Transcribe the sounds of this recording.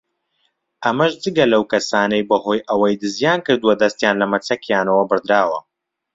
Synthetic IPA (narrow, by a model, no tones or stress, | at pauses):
ʔɐmɐʃd͡zɨɡɐlɐwkɐsaːnɐjbɐɦo̞ːjʔɐwɐjd̪ɨzjaːnkɨɾd̪uwɐd̪ɐst̪jaːnlɐmɐt͡sɐkjaːnɐwɐbɨɾd̪ɾaːwɐ